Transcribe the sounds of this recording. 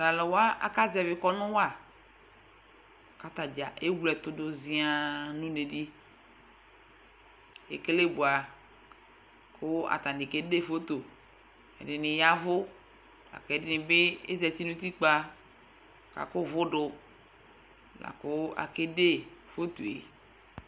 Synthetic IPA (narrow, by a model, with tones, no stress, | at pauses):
la˨lɔ˨wa˦a̰˨ka˦zɛ˨vɪ˨kɔ˦nʊ̃˦wa˦˨ | ka˦t̪a˨d͡ʒa˨ʔe˦ɡlɛ˨t̪ʊ˦dʊ˨zɪ˦a˨nũ˦ne˨di˦ | ḛ˨ke˦le˦bu˨a˨ | kʰʊ˦a̰˨t̪a˨n˨dɪ˨ke˦de˦fo˦t̪o˨ | ɛ̰˨dɪ˨nɪ̃˨ja˦vʊ˦ | la̰˨kdɪ˦nɪ̃˨bɪ˦ḛ˦zɛ˨t̪i˦nũ˦t̪i˦k͡pa˦ | ka̰˨kʊ˦vʊ˦ɖʊ˨ | la̰˨kʊ˦a̰˨ke˦de˦fo˦t̪u˨ḛ˨